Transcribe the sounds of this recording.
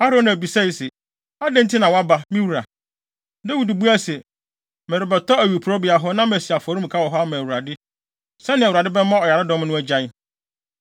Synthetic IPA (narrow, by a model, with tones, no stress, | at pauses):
a˦ɾõ˦nã˨bi˨sɛ˦i˨sɛ˨ | a˦dɛ̃˦n̩˦tʰɪ˦nã˨wɔ˦a˦ba˨mĩ˦wu˨ɾa˨ | dɛ˦wu˨du˨bu˦æ˦sɛ˨ | mɛ˨ɾɪ˨bɛ˨tʰɔ˦æ˨ɥu˨pʰu˨ɾɔ˦bi˨a˨ɦɔ˦nã˦m˨æ˨si˨a˨fɔ˨ɾu˦˨kʰa˦wɔ˨ɦɔ˦a˦mã˨wu˨ɾa˨dɪ˦ | sɛ˦nɪ̃˨wu˨ɾa˨dɪ˦bɛ˦mã˦ɔ˨ja˨ɾɪ˦dɔ̃˦m˦nʊ̃˦æ˦d͡ʑa˨˦ɪ˦